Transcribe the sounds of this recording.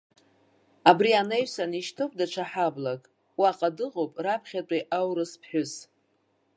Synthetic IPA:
abrianejɥsaniʃtʰɨkʷʼdaʈ͡ʂʷʰaħablakʼ | wiaqʼadɨʁowpʼrapʰχʲatʷʼaʔawɾɨspʰħʷᶣʊs

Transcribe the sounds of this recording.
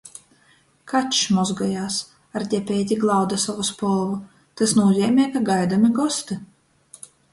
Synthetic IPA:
katt͡ʃmɔzɡajaːs | aɾd̪ʲɛpʲɛːt̪ʲiɡlˠawd̪asavuspɔlˠvu | t̪ɨsnuːzʲɛːmʲɛjkaɡajd̪amiɡɔst̪ɨ

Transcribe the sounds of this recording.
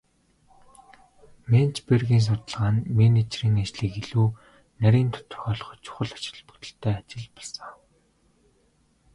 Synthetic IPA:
ment͡ɕperɣiːns̬ʊt̪ə̆ɮʁaːnmenit͡ɕriːŋat͡ɕɮɘ̆ːkiɮuː | næɾʲiːnt̪ʰʊ̥t̪əʊ̥̆rxɔːɮɞ̆χɔ̥̆t͡ɕʊ̥χə̆ɮḁt͡ɕɪ̆r̆ɮpɵ̥̆kt̪ə̆ɬt̪ʰæːat͡ɕɪ̆ɮpɔɮsə̥̆ŋ

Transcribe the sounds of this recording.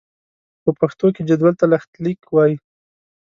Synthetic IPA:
pəpaxt̪oked͡ʒad̪walt̪alaxt̪likwɑji

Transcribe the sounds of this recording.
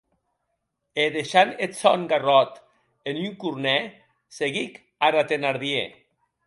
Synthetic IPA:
eðeʃanet͡sɔŋɡarɔt̪ | enyŋkuɾnɛ | seɣik | aɾat̪enaɾðiḛ

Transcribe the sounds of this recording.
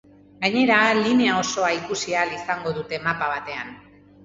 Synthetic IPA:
ɡaɲe̞ɾaline̞ao̞so̞aikusialisaŋɡo̞ðut̪e̞mapaβ̞at̪e̞an

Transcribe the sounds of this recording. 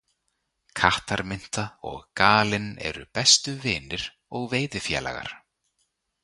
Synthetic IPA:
kʰaht̪aɾmɪn̥t̪aɔɣkaːlɪnɛ̰ɾʏpɛst̪ʏvɪːnɪɾ̥ | ɔɣveːjðɪfjɛ̰ːla̰ɣa̰ɾ̥

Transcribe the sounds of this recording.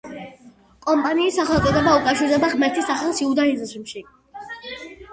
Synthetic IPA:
kʼɔmpʼaniːsaχɛlˠkʼɔd̪ɛbaukʼafʃiɾd̪ɛbaʁmɛɾt̪ʰisaχɛlˠsiud̪aizʃimʃi

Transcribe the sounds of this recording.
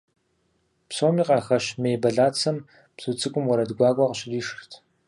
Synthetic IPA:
psoːmiːqʼɑːxɐɕmejbɐɮaːt͡sʰɐm | psɨt͡sʼɨkʷʼʊmwɐɾɐdɡʷɑːkʷʼaqəɕriːʂrtʰ

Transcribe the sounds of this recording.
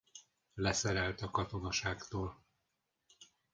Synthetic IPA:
lɛsɛɾɛlt̪ɒkɒt̪o̞nɒʃaːkt̪oːl

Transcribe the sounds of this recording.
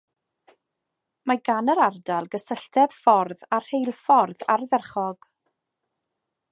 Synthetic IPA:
maɡanəɾardalˠɡəsəɬtʰɛðfɔrðarhejlˠfɔrðarðɛrχɔɡ̥

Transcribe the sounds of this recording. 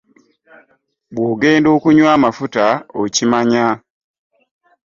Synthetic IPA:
bwoːɡe̞ːndo̞ːkuɲwaːmafutaocimaɲa

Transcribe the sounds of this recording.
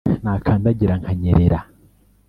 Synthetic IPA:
naːkʰaːndaɟiɾaŋhʰaɲeɾeɾa

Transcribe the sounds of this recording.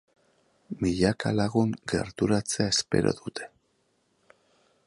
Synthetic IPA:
miʎaka̰laɣuŋɡe̞̰ɾt̪uɾat͡se̞aespe̞̰ɾʔo̰ðut̪e̞̥

